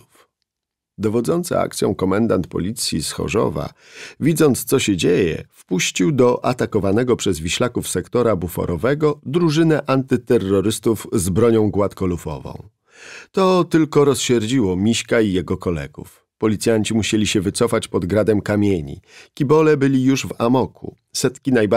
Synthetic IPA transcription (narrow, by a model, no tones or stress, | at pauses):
uf | d̪ɔvɔd̪zɔnt̪sɛ̰a̰k̚t̪sʲjɔ̰̃w̃kɔmɛnd̪ant̪pɔ̰lʲit̪sʲjisxɔ̰ʐɔ̰va̰ | vʲid̪zɔnt̪st̪sɔɕɛd͡ʑejɛ̰fpuɕt͡ɕiwd̪ɔʔat̪akɔvanɛɡɔpʂɛzvʲiɕlakufsɛkt̪ɔɾabufɔ̰ɾɔvɛɡɔd̪ɾuʐɘnɛʔant̪ɘt̪ɛrːɔɾɘst̪uvzbɾɔɲɔ̃w̃ɡwat̪kɔlufɔ̰vɔ̰̃w̃ | t̪ɔt̪ɘlkɔɾɔsɕɛɾd͡ʑiwɔmʲiɕkaijɛɡɔkɔlɛ̰ɡ̥ṵf | pɔlʲit̪sʲjaɲt͡ɕimuɕelʲiɕɛvɘt̪sɔfat͡ɕpɔd̪ɡɾad̪ɛmkamʲjeɲḭkʲibɔlɛbɘlʲijuʐvamɔkʰṵ | sɛt̪kʲinajba